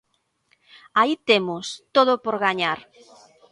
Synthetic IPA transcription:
ait̪emʊst̪oðʊpoɾɣaɲaɾ

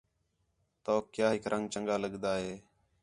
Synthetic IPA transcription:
t̪oːkjaːɦɪkɾʔəŋɡt͡ʃəŋɡaːləɠd̪aːɦeː

